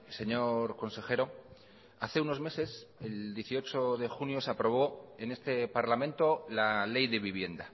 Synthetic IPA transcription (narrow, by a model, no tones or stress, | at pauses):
se̞ɲo̞ɾko̞nse̞xe̞ɾo̞ | aθe̞uno̞zme̞se̞se̞ld̪je̞θio̞t͡ʃo̞ðe̞xunjo̞seapɾo̞β̞o̞e̞ne̞st̪e̞paɾlamẽ̞nt̪o̞lale̞jðe̞βiβ̞je̞nd̪a